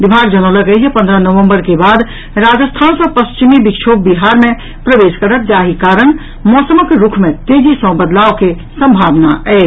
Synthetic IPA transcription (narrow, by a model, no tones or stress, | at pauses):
bibʱaɡd͡ʒənələkəjʰepənd̪ɾənəʋəmbəɾkebad̪ | ɾad͡ʒəst̪ʰansəpəst͡ʃimibikt͡ʃʰob̚biɦaɾmẽ | pɾəʋeskəɾət̪̚d͡ʒaɦikaɾən | mɔsəməkɾukʰmet̪ed͡ʒisə̃bəd̪laoke | səmbʱabnaɛ